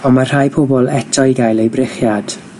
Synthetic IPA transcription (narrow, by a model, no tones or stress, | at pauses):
ɔmar̥haːjpʰɔbɔlˠɛtʰɔjɡajlˠejbrɪχjad̥